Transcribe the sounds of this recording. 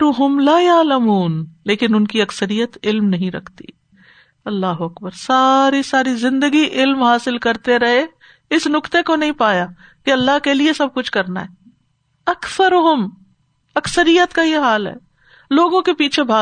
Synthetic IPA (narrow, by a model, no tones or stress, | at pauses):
ɾʊɦʊmlaːjaːləmuːnleːkɪnʊnkiɐksəɾijət̪ɪlmnɐɦĩɾɐ̰kʰt̪ḭ | ɐlːaːɦʊɐkbəɾsaːɾisaːɾizɪ̃nd̪əɡiʔɪlmɦaːsɪlkɐɾt̪eɾɐɦe | ɪsnʊkt̪ekonɐɦĩpaːja | kiɐlːaɦkeliesɐb̚kʊt͡ʃʰkɐɾna̰ɦɛː | ɐkθəɾʊɦʊm | ɐksəɾijət̪kajeɦaːlɦɛ̰ː | loːɡõkepiːt͡ʃʰebʱaː